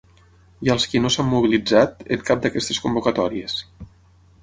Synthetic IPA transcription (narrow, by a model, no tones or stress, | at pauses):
jəlˠskinosamːuβ̞ilid͡zat̪ə̰ŋkap̚d̪əkɛst̪əskumbukat̪ɔɾies